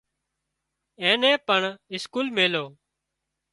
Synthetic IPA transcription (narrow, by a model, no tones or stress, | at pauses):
ẽːnẽːpəɳɪskuːlmeːloː